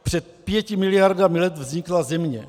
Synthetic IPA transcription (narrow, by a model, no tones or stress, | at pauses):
pr̝̥ɛt̪̚pjɛcɪmɪlɪjaɾdamilɛt̪vzɲɪklazɛmɲɛ